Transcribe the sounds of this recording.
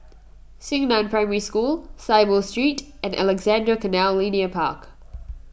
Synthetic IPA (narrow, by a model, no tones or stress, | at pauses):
sɪ̃ŋnə̃ʊ̃npʰɹ̥ãɪməɹiskuːlˠseɪbəlˠstɹ̥iˑtʔə̃nʔæ̰lɛɡzæ̃ndɹəkʰənælˠlĩniəpʰɑ̰ˑk